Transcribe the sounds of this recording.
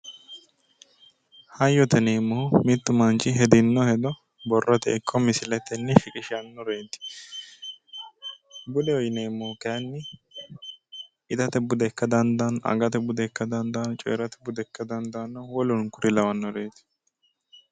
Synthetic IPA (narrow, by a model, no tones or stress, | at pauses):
hɐjːɔt̪ɛneːmːɔhʊmɪt̪ːʊmɐnt͡ʃːɪɦɛd̪ɪnːɔhɛd̪ɔ | bɔrːɐt̪ɛɪkʰːɔmɪsɪlɛt̪ːɛnːɪfɪkʼɪʃɪjɐnːɔɾe̞ːt̪ɪ̥ | bʊd̪ɛɔjneːmːoːkɐjɐnːɪ | ɪt̪ɐt̪ɛbʊd̪ɛkːɐd̪ɐnd̪ɐnɐ̰ɡɐt̪ɛbʊd̪ɛkːɐd̪ɐnd̪ɐnt͡ʃʼɛ̰ːɾɐt̪ɛ̥bʊd̪ɛkːɐd̪ɐnd̪ɐnːɐwɔlʊnkʊɾɪlɐwɐnːɔɾeːt̪ɪ̥